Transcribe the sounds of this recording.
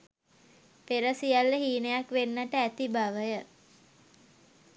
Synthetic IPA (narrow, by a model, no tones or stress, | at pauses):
peɾəsijalːəɦiːnəjakʋenːəʈəæt̪ibaʋəjə